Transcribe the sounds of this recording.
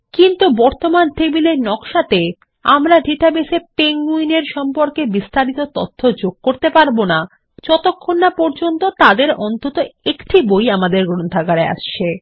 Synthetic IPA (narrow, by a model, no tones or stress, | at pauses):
kint̪ubɔɾt̪omant̪ebileɾnɔkʃat̪e | amɾaɖʱiʈabesepeŋɡuineɾʃɔmpoɾkebist̪aɾit̪ot̪ot̪ʰːod͡ʑoɡ̚koɾt̪epaɾbona | t͡ɕɔt̪okʰːonːapɔɾd͡ʑont̪ot̪ad̪eɾɔnt̪ot̪oekʈʰibojamad̪eɾɡɾont̪ʰaɡaɾea̰ʃt͡ɕʰe